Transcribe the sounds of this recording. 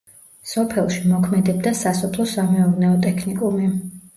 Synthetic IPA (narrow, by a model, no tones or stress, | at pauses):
sɔpʰɛlˠʃimɔkʰmɛd̪ɛb̚d̪asasɔpʰlˠɔsamɛuɾnɛɔt̪ʼɛkʰnikʼumi